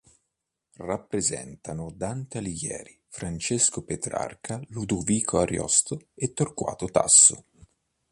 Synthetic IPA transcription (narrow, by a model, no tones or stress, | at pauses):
rapːɾezɛ̰nt̪anʊd̪ant̪alijɛ̰ːɾifɾant͡ʃeskopet̪ɾa̰rkʰalud̪uviːkʰoaɾjɔ̰st̪oet̪ːorkwa̰ːt̪ot̪a̰sːo̰